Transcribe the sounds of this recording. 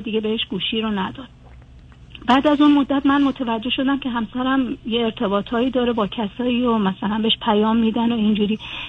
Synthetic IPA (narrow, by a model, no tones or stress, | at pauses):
d̪iːɡe̞be̞heʃɡ̥uːʃiːɾonæd̪ɒːd̪̥̚ | bæːd̪æzunmo̞d̪ːæt̪mænmot̪ʰevæd͡ʒːe̞hʃo̞d̪æmcʲʰe̞ɦæmsæɾæmjeːɾt̪ʰe̞bɒːt̪ʰɒːiːd̪ɒːɾebɒːcʰæsɒːiːɾomæsælænbeeʃpʰæjɒːmːiːd̪ænoind͡ʒuːɾiː